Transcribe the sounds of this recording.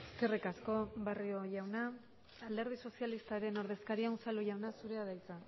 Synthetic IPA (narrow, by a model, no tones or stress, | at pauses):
e̞ske̞rikasko̞bario̞ʝawna | ald̪e̞ɾð̞iso̞sialist̪aeɾe̞no̞ɾðe̞skaɾiausaluʝawnasuɾe̞aðajt͡sa